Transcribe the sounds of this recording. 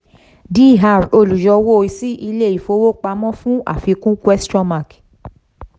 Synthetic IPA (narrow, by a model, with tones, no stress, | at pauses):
di˦˨ɦa˧˨ɾo˧˨lu˨jɔ˧wo˦˨i˨si˦ʔi˧le˦˨i˨fo˧˦wo˦k͡pa˧mɔ̃˦fũ˦a̰˨fi˧kũ˦kwɛ˦stɾɔ̃˦ma˦˨k